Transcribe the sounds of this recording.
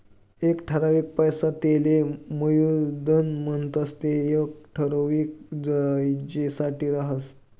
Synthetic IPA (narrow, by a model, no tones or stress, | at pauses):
ekʈʰəɾaʋiːk̚pəjsat̪eleməjud̪ənməɳt̪əst̪eek̚ʈʰəɾoʋik̚d͡zajd͡ʑesaʈiːɾaɦəs